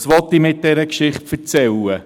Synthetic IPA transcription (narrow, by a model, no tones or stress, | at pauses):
sʋɔt̪ːimɪt̚dɛɾəkʃɪχtfəɾt͡sɛlə